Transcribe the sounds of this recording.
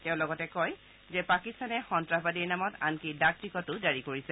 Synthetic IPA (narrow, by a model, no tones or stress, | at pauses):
tɛʊ̃lɔɡɔtɛkɔj | zɛpakistanɛxɔntɹaɦbadiɹnamɔta̰nkidak̚tikɔtʊzaɹikoɹisɛ